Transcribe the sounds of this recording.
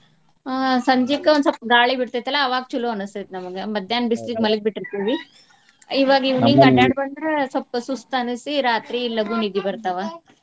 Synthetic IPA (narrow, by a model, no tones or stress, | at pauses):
asɐɲd͡ʒikːɐond̪sɐp̚ːɡaːɭibiʈt̪ɐjt̪ɐlːaːʋaːɡ̚t͡ʃuloɐnust̪ɐjt̪enɐmɐɡemɐd̪jaːnbislikmɐlɡ̚biʈːiɾt̪iʋi | iʋaːɡiʋniːŋɡɐʈaːɖbɐɳɖɾesɐpːɐsust̪ɐnisiɾaːt̪ɾiːlːɐɡunid̪ibɐɾt̪ɐʋa